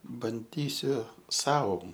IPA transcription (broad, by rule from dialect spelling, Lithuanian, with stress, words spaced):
bɐnʲˈdʲiːsʲʊ ˈsɐʊ